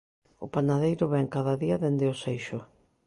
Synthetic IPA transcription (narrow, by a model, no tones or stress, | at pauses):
ʊpanaðejɾʊβɛŋkaðaðiaðend̪ɪʊsejʃʊ